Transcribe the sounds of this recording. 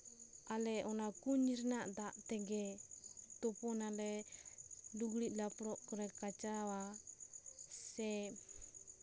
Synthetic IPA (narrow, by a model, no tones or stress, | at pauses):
alɛɔnakuɲirnaʔd̪aʔt̪ɛɡɛ | t̪ɔpɔnalɛ | duɡliʔ̚lapɾɔʔkɔɾɛkat͡ʃawa | sɛ